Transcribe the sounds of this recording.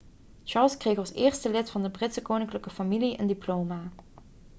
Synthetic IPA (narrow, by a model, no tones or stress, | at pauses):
t͡ʃɑɹlˠskrejxɑlˠsɪːɹstəlɪtfɑndəbrɪtsəkoːwnɪŋkləkəfɑmiliʔə̰ndiplowmaː